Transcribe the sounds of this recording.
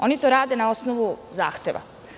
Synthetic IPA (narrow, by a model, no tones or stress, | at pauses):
o̞nit̪oɾaːd̪e̞nao̞snoʋuza̰ːxt̪e̞ʋa̰